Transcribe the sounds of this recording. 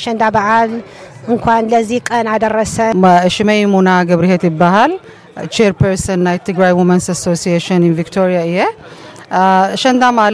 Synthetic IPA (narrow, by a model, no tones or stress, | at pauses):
ʃɐnd̪abaʕal | ɨŋkʷʰanlɐzihkʼɐnad̪ɐrːɐsɐʃɪmejmonaɡɐβɾihet̪jɪbːahal | t͡ʃʰeɾpʰɛɾsɐnːajt̪ʰɨɡɾajwumɐnsasosijeʃɨnɪnvikt̪ʰoɾijaɨjːɛ | ʃɐnd̪amal